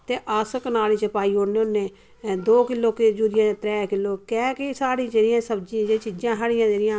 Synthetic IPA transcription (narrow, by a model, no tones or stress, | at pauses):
t̪eːʔaːsəknaːliːt͡ʃəpaːiːoːneːʊnːẽː | d̪oːkɪlːoːkɪd͡ʒuːɾɪjãːt̪ɾɛːkɪlːoːkɛ̃ːkɪsaːɽĩːd͡ʒeːɾɪjãːsəbd͡ʒĩd͡ʒeːt͡ʃiːd͡ʒãːɦəɽɪjãːd͡ʒeːɾɪjãː